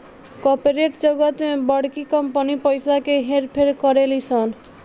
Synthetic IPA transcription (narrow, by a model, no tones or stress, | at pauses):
kopeɾeʈd͡ʒəɡət̪mebəɽkikʌmpənipəjsakeɦeɾpʰeɾkɔɾelisʌn